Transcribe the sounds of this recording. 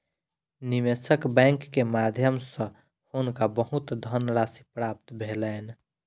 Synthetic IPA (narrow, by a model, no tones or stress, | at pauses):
niʋesəkbɛ̃ŋkːemad̪ʱjəmsə̃ | honkabəɦut̪d̪ʱənɾasipɾap̚t̪bʱelɛn